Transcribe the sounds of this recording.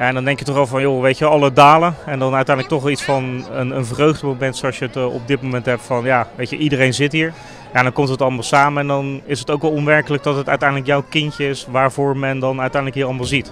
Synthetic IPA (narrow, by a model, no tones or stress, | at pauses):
jandɑndɛŋkjətɔχɑlˠvɑnjoʋejtəʋəɑlˠədaːləɛndɑnœɥtɛjndləktɔχʋɛlˠitsfɑnənənvrøɥχdəmowmɛntsoɑlˠsjəətɔ̰b̚dɪt̚mowmɛntɦɛp̚tfɑnjaːʋejtə̰ʔidərejnzɪtɦiːɹ | jadɔŋkɔmtətɑlˠəmaːlˠsaːməɛndɑnɪsətowkʋɛlˠɔnʋɛɹkələk̚dɑtɦətœɥtɛjndləkjɔwkɪntəɪsʋaːɹvʊːɹmɛndɑnœɥtɛjndələkɦiːɹɑlˠmaːlˠzit